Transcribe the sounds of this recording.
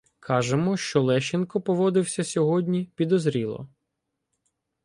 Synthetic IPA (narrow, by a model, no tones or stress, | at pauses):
kʰɑʒemɔʃt͡ʃɔlˠɛʃenkɔpɔʋɔd̪ɪwsʲɐsʲɔɦɔdʲnʲipʲid̪ɔzɾʲilˠɔ̰